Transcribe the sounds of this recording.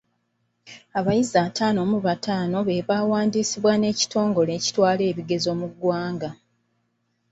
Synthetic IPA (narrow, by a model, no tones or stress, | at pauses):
aβajiziatʰaːno̞ːmuβatʰaːno̞βe̞βaːwaːndisiβwane̞ːci̥tʰo̞ːŋɡo̞le̞ːci̥twaːle̞ːβiɡe̞zo̞ːmuɡwaːŋɡa